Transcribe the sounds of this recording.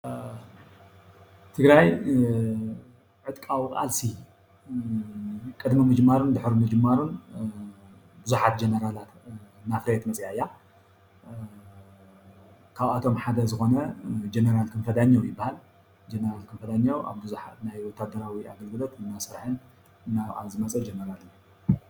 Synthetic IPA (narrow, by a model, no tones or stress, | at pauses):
t̪ʰɨɡɾaj | ʕɨt̪ʼkʼawkʼa̰lsi | kʼɨd̪mimɨd͡ʒɨmːaɾund̪ɨħɾumɨd͡ʒɨmːaɾun | bɨzuħat̪̚d͡ʒenɐɾalat̪ | nafɾɐet̪mɐt͡sʼjaɨjːa | kʰaβat̪ʰo̞mħad̪ɐzɨxo̞nɐd͡ʒenɐɾalkʰɨnfɐd̪aɲːowjɪbːahal | d͡ʒenɐɾalkʰɨnfɐd̪aɲːawʔa̰βbɨzuħat̪najwɔt̪ʰːad̪ɐɾawia̰ɡɐlɡɨlo̞t̪ɨnːasɨɾħɨn | ɨnːaa̰zɨmɐt͡sʼɐd͡ʒenɐɾalɨ